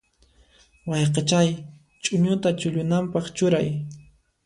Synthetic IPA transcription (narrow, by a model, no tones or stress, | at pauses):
wɑjqet͡ʃaj | t͡ʃʼʊɲʊt̪at͡ʃʊʎʊnampɑχt͡ʃʊɾaj